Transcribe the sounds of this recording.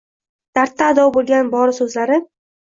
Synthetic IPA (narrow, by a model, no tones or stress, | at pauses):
d̪̥aɾt̪ʰːaːd̪ɒbolˠɡʲanbɒɾɪsɵzlaɾɪ